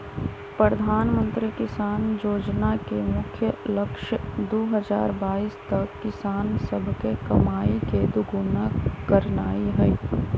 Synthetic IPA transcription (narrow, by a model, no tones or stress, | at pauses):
pɾəd̪ʱaːnmə̃nt̪ɾikɪsaːnd͡ʒoːd͡ʒnakemʊkʰjəlɐkʃəd̪oːɦəd͡ʒa̰ːɾbaːist̪ɐkːɪsaːnsəbʱkekɐmaːiked̪ʊɡʊnakəɾnaːiɦɛ